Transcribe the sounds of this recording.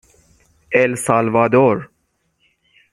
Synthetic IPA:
elsaːlʋaːd̪oːɾ

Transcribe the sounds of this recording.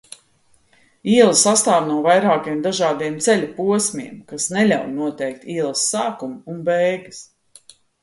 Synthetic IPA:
iɛlˠsast̪aːvnuɔvajɾaːkiɛmd̪aʒaːd̪iɛmt̪sɛlʲapuɔsʲmʲḭɛmkasnɛlʲawnuɔt̪ɛjk̚t̪iɛlˠsːaːkumunbɛjɡɨs

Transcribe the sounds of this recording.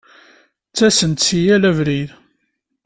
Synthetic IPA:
t͡sːæsənt̪sijælævɾið

